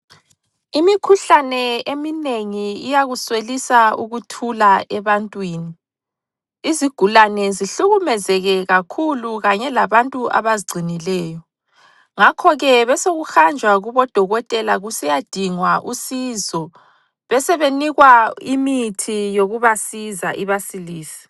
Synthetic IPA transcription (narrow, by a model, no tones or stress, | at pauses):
imikʰuɬanɛemineŋiijaɣuswelisauɣutʰulaʔɛβantʼwiːni | iziɡ̥ʱulanɛziɬuɣumɛzɛɣɛɣakʰuluɣaɲɛlaβantʼuʔa̰βaziɡ͡ǀʱinilɛːjɔ | ŋakʰɔɣɛβɛsoɣuxand͡ʒʱwaɣuβɔd̥ʱɔɣɔtʼɛlaɣusɛjad̥ʱiŋwaʔusizɔ | βɛsɛβeniɣwaimitʰijoɣuβasizaʔiβasiliːsi̥